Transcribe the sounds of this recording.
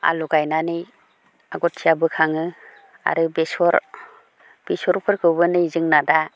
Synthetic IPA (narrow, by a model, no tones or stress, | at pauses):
a̰luɡajnanij | aɡɔtːʰijabɯkʰaŋɯ | a̰ɾɯbesɔɾ | b̥isɔɾpʰɯɾkʰɯwbɯnɯzɯŋnada